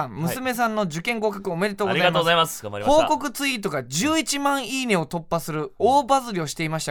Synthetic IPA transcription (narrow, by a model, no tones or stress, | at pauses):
ãmmɯ̟sɨme̞s̬ãnːo̞d͡ʑɨkẽ̞ŋɡo̞kakɯ̟ome̞ɾet̪oːɡɡozaaimozaimasho̞ːko̞kɯ̟t͡sɨit̪o̞ɡad͡ʑɨːit͡ɕimãɰ̃iːne̞o̞t̪o̞pːasɨɾɯ̟oːbazɨɾʲio̞ɕi̥t̪e̞imaɕi̥t̪a